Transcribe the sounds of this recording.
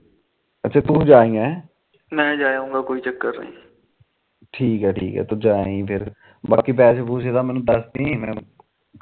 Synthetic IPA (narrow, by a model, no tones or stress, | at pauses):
ətːt͡ʃʰeːt̪ũːd͡ʒaːĩːa | mɛ̃ːd͡ʒaːjũːŋɡaːkoːiːt͡ʃəkːəɾnə̰ḭ̃ː | ʈʰiːkɦɛːʈʰḭːkɦɛ̰ːt̪õːd͡ʒaːaĩːpʰɪɾ | baːkiːp̬ɛːsepuːseːt̪ãːmɛːnũːd̪əsd̪ĩːmɛ̃ː